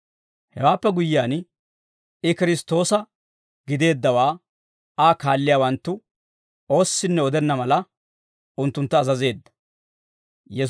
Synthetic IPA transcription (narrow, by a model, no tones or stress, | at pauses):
hɛwaːpːɛɡʊjːɪaːn | ɪkɪɾɪst̪o̞ːsɐ | ɡ̥ɪd̪e̞ːd̪ːɐwaː | aːkaːlːɪjaːwɐnt̪ːʊ | o̞ːsːɪnːɛɔd̪ɛnːɐmɐlɐ | ʊnt̪ːʊnt̪ːɐːzɐze̞ːd̪ːɐ̥ | jɛ